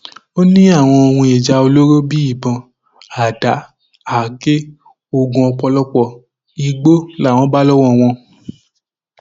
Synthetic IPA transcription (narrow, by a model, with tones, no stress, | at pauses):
o˦nĩ˦a˦˨w̃ɔ̃˧o˧hũ˧e˨d͡ʒa˧o˧lo˦ɾo˦bi˦i˦˨bã˧ | a˨da˨˦ | a˨ɡe˦ | o˦˨ɡũ˧ɔ˧k͡pɔ˧lɔ˦k͡pɔ˨ | i˧ɡ͡bo˦la˦˨wɔ̃˨˧˦ba˦lɔ˦wɔ̃˦˨w̃ɔ̃˧